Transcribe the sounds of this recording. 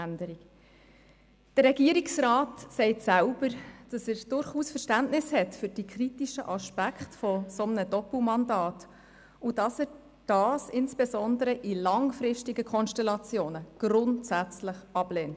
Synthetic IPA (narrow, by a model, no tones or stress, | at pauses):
ændəɾik | d̥ərrɛɡiəɾiksrɑːtsɛɪtsælb̥əɾd̥ɑsæɾd̥ʊɾχuːsfəɾʃtæntnɪshɛtfʏɾd̥ikʰritiʃəʔɑʃpækʰχtfɔsɔmənədɔpl̩mɑndɑːt | ud̥ɑsəɾ | d̥ɑːsɪnsb̥esɔndəɾəʔilɑŋfɾɪʃtiɡəkʰɔnʃtɛlɑt͡sjoːnəɡ̥ɾʊntsæt͡sləχɑb̥leːnt